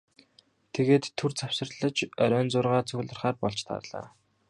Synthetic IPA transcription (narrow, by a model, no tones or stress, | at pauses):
t̪ʰeɣeːt̪ʰːɵrt͡sʰawsə̆rɮə̆t͡ɕœɾʲœːnt͡sʊrʁaːt͡sʰɵɣ̆ɮə̆rχaːrpɔɮt͡ɕt̪ʰa̰rɮa̰ː